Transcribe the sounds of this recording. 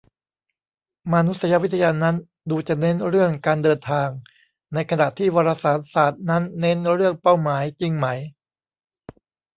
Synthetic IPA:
ma˧nu˦˥t̪̚sa˧ja˦˧˥wi˦˥t̪ʰːa˧jaː˧na˦˥n | duː˧t͡ɕa˨˩ne˦˥nɾɯ˥˩əŋkaː˧ndɤː˧nt̪ʰaː˧ŋ | na˧jkʰa˧na˨˩ʔt̪ʰiː˥˩waː˧ɾaː˧saː˩˦n̚saː˨˩t̪̚na˦˥nːe˦˥nɾɯ˥˩əŋpa˥˩wmaː˩˦jt͡ɕi˧ŋmaː˩˦j

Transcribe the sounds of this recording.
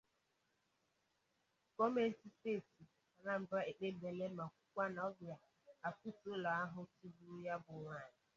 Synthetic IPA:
kɔ˦me˦n̩˦ti˦steː˦˨ti˨ | a˨na˦m̩˨ba˦e˨k͡pe˦be˨le˦ma˨kʷu̥˦kʷa˦na˨ɔ˦bɪ˨a˨ | a˨ku˦tʊ˦la˨a˦ɦʊ˦tu˦bu˦ja˦bʊ˨ŋa˨ɲɪ˨

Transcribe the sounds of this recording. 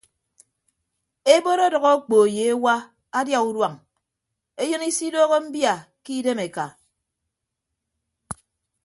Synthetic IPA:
e˦bo˦ɾo˦dʌ˨ɣo˦k͡po˨e˨je˨e˦wa˦ | a˦dja˦u˦dwa˨ŋ | e˦jɨ˦ni˦si˦do˦ɣo˦m̩˦bja˨ | ki˦de˦me˨ka˨

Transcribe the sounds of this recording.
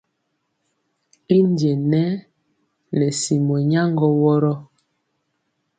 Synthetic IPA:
i˦n˦dje˨nɛ˦ | nɛ˨si˨mɔ˨ɲa˦ŋɡɔ˦wɔ˦ɾɔ˦

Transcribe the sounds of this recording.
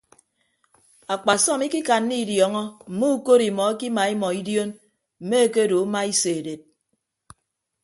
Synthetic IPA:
a˨k͡pa˨sɔ˦˨mi˦ki˦ka˨nːi˦˨djɔ˨ŋɔ˦m̩˨mu˦u˦ko˦ɾi˨mɔ˨e˦ki˦ma˨i˦mɔ˨i˦djo˦n | m̩˨me˦e˦ke˦do˨˦ma˦i˦se˨de˨t̚

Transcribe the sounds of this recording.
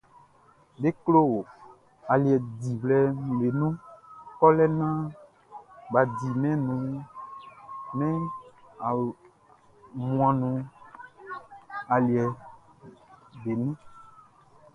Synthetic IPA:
ɖe˦klo˦wo˨ | a˨li˨ɛ˨di˨wlɛ˦˨le˨nũ˦kɔ˦lɛ˦nã˦ | ba˨di˨mɛ̃˦nũ˨˦ | mɛ̃˦a˨ | mũ˨ã˨nũ˨ | a˨li˨ɛ˨ | be˨nũ˦

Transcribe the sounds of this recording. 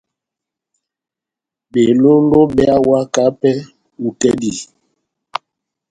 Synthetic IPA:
be˨lo˦lo˦bɛ˦a˦wa˦ka˦pɛ˦ | u˨tɛ˦di˨

